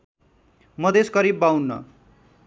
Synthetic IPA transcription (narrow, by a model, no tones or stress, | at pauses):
mʌd̪eskʌɾibːawnːʌ̰